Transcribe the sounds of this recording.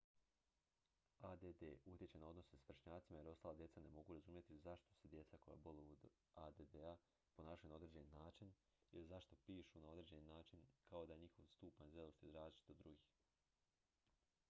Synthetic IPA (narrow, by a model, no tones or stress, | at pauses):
ad̪ed̪ḛut̪ʲjet͡ɕenao̞d̪no̞sesʋr̩ʃɲaːt̪simaje̞ɾo̞st̪aːlˠad̪je̞tsane̞mo̞ɡuɾazumje̞t̪izaʃt̪o̞se̞d̪je̞t̪sako̞ja̰bo̞lood̪ | ad̪ed̪ea | po̞naːʃajunao̞d̪ɾed͡ʑeninaːt͡ʃin | ilizaʃt̪o̞piːʃunao̞d̪ɾeːd͡ʑeninaːt͡ʃinkao̞d̪aje̞ɲixo̞ʋst̪uːpaɲzeloʃt̪izɾaːzlit͡ʃi̥t̪od̪ɾuɡiːx